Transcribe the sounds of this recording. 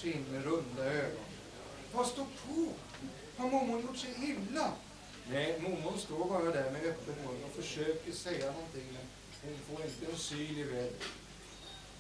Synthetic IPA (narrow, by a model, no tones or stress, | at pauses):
sinːəɾɵnd̪aøːɡɔ̰n | vɑst̪uːpʰɔ | hɑɾmʊmːʊnjʊʈːʂɛhɪmla | nɛɪmʊmːʊnst̪oːɾbɑːɾad̪æɾmɛœpːəmuɾɪŋɔfœʂøːkəɾsɛjanɔnt̪ɪŋːmɛn | hʊnfoːɾɪnt̪əsyːlɪʋɛːd̪ə̰